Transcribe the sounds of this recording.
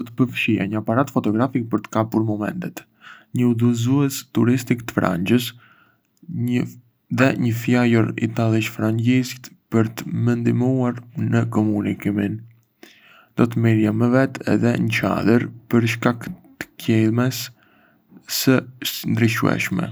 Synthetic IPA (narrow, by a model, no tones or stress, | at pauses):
t̪pəɾfʃia̰ɲəapaɾat̪fɔt̪ɔɡɾafik̚pəɾt̪ə̥kapuɾmɔmɛ̰nt̪ɛt̪ | ɲəuðuzuɛst̪uɾist̪ikt̪ə̥fɾa̰ɲd͡ʑəs | ə | ðɛɲəfjajəɾḭt̪alˠiʃfɾaɲd͡ʒist̪pəɾt̪əmənd̪imuaɾnəkɔmunikimin | d̪̥ɔt̪̬əmiɾjaməvɛt̪ʰɛ̰ðɛɲət͡ʃa̰d̪əɾpəɾʃ̬kakt̪ə̥kɛlˠmɛs | sənd̪ɾiʃṵɛ̰ʃmɛ̰